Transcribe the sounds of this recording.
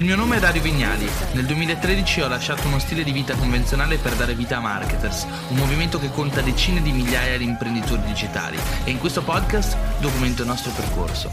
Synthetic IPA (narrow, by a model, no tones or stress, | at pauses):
ilmiːonoːmeɛd̪ad̪joviɲːa̰ːlineld̪uwemilaet̪ːɾed̪it͡ʃiɔlːaʃːaːt̪ounost̪iːled̪iviːt̪akoɱvent̪sjonaːleperd̪aːɾeviːt̪aːmarket̪ers | unːoviment̪okekːont̪ad̪et͡ʃiːned̪imiʎːaːjad̪iːmpɾend̪it̪oːɾid̪id͡ʒit̪a̰ːlḭeiŋkwest̪opɔd̪kast̪d̪okument̪oelnːɔst̪ɾoperko̰rso